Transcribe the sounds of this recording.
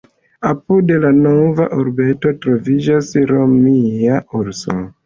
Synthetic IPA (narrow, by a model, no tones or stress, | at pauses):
apudelano̞vaʔoɾbe̞to̞tɾo̞vid͡ʒasɾo̞miauɾso̰